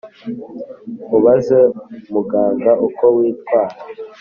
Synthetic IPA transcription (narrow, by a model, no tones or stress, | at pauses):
uβazemuɡaːŋɡaʔukowiːtkwaːɾa